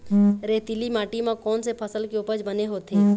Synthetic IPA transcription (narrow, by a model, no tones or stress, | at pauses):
ɾeːt̪ilimaːʈimãkɔːnsepʰəsəlkeʊpəd͡ʒbəneɦoːt̪eː